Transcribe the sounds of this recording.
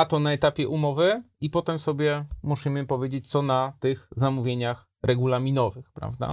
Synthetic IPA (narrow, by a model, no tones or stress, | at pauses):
at̪ɔnaɛt̪apʲjɛʔumɔvɘipɔt̪ɛmsɔbʲjɛmuɕimɘpɔvjed͡ʑet͡ɕt̪sɔnat̪ɘxzamuvʲjeɲax | ɾʔɛɡulamʲinɔvɘxpɾa̰vd̪a̰